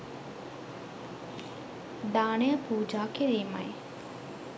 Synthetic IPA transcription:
d̪aːnejəpuːd͡ʒaːkiɾiːmɐ̰j

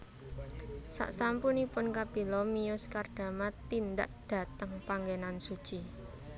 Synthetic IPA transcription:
sa̰ʔsampunipʊnkab̥ilɔmijʊskard̪̥a̤mat̪ind̪a̰ʔd̪̥ä̤t̪əŋpaŋɡenansu̥t͡ʃi

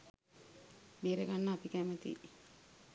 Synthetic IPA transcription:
meːɾəɡanːəːpikæmət̪ḭ

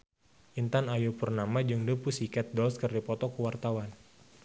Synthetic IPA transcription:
ʔint̪anajupurnamad͡ʒɨŋdupusikɛt̪̚dɔlskɨrdipɔt̪ɔkəwart̪awan

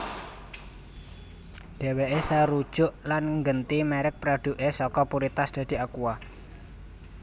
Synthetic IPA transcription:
d̪̥e̤weʔesaɾud̥ʒ̥ʊʔlanŋɡənt̪imɛɾɪk̚pɾaɖ̪̥ṳʔesɔkɔpuɾit̪asd̪̥ä̤d̪̥i̤akua

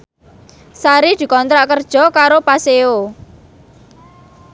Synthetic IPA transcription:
saɾid̪̥i̤kɔnt̪ɾaʔkərd̥ʒ̥ɔ̤kaɾopaseo

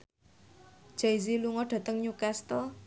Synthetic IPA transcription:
d͡ʒ̥ajziluŋɔɖ̥a̤t̪əŋɲukɛst̪ɔ

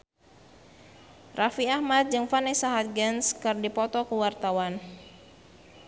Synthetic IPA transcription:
rafiahmat̪̚d͡ʒɨŋfanɛsaɦat̪̚ɡɛnskɨrdipɔt̪ɔkuwart̪awan

